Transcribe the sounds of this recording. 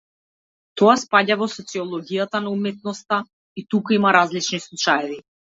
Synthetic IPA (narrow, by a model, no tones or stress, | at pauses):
t̪ɔaspaɟavɔsɔt̪siɔlˠɔɡijat̪anaumɛt̪̚nɔst̪a | it̪ukuimaɾazlit͡ʃnislˠut͡ʃajɛvi